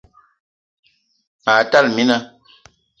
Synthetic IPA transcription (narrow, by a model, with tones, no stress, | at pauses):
pa˨ta˦˨lmi˦na˦